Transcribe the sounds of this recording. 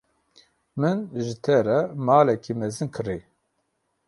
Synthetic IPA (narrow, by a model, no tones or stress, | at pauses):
mɨnʒɪt̪ʰɛɾɛmaːlɛkʰimɛzɨnkʰɨɾe